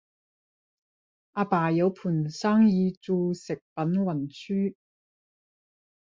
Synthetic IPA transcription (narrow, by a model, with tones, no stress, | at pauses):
ʔaː˧paː˨˩jɐ˨˧wpʰuː˨˩nsaː˥ŋjiː˨˧t͡suː˧sɪ˨k̚pɐ˨˥nwɐ˨˩nsʰyː˥